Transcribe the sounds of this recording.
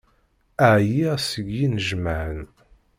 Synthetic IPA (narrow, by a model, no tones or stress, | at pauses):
əʕjisəɡjinəʒməʕən